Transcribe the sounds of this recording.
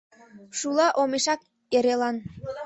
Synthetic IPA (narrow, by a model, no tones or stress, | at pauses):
ʃulɑʔomeʃɑk̚ | eɾelɑn